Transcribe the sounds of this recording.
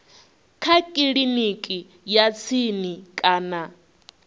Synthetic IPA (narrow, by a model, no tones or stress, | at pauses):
kʰakʼiɺinikʼi | jat͡sʰinikʼaːna